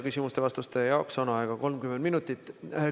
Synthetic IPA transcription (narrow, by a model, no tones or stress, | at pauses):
kysʲimust̪e̞vɑst̪ust̪ejɑoksɑnɑɑeɡ̥ɑko̞lmkymːend̪minut̪ːˑit̪ːˑ